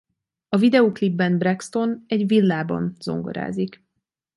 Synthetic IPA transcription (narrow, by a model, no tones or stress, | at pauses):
ɒvid̪ɛoːklibːɛnbrɛkst̪o̞nɛɟvilːaːbɒ̰nz̥o̞̰ŋɡo̰ɾa̰ːzik